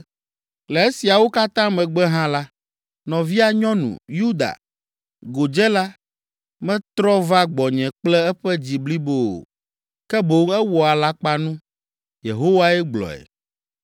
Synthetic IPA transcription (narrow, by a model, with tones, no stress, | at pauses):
lɛ˨e˦si˨a˨wo˦ka˦t̪ã˦mɛ̃˨ɡ͡bɛ˦ɦã˦la˦ | nɔ̃˨vi˦a˨ɲɔ̃˦nṵ̃˨ju˦d̪a̰˨ | ɡo˨d͡ʒɛ˦la˦ | mɛ̃˦t̪ɾɔ˦va˦ɡ͡bɔ˨ɲɛ̃˨k͡plɛ˦ɛ˦ɸɛ˦d͡ʑi˨bli˦bo˦o̰˨ | kɛ˦bo˨˦ŋɛ˦wɔ˨a˨la˦k͡pa˦nũ˦ | jḛ˨ɦo˦wa˦ɛ˦ɡ͡blɔ̰˨ɛ̰˨